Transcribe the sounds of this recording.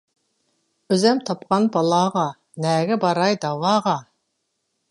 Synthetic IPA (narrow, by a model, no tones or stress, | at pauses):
øzɛmt̪ʰɑpqɑnbɑlˠɑːʁɑ | nɛːɡʲɪbɑɾɑjd̪ɑwɑːʁɑ